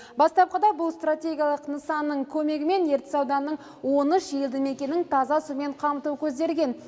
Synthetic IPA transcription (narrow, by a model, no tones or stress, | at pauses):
bɑst̪ɑp̚qəd̪ɑbʊlˠst̪ratʲe̞ɡʲijɑlˠəqnəsɑnːəɴkʲʰɵme̞ɡʲɪme̞nje̞ɾt̪ɪ̥sɑwd̪ɑnːəɴ | wo̞nəʃje̞ld̪ɪme̞kʲe̞nɪŋt̪ʰɑzɑsume̞ɴqʰɑmət̪uwəkʲʰɵzd̪e̞ɾɡʲe̞n